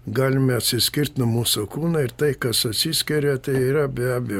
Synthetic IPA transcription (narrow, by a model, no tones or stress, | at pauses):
ɡɑːlʲɪmʲɛɐt̪ʲsʲɪsʲkʲɪrʲt̪ʲnʊmuːsokuːnɐɪɾt̪ɐɪkɐsɐt̪ʲsʲisʲkʲɛɾʲɛt̪ɐɪiːɾɐbʲæːbʲɛj